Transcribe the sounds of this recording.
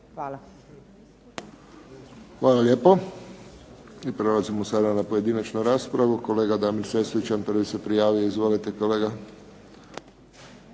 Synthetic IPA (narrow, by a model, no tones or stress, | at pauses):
xʋaːlalʲjeːpo | ipɾelazimosad̪anapoje̞d̪iːnat͡ʃnuɾaːspɾaʋuko̞leːɡad̪aːmiɾseslit͡ʃanpərʋisepɾijaːʋijoizʋoːlit̪ekoleːɡa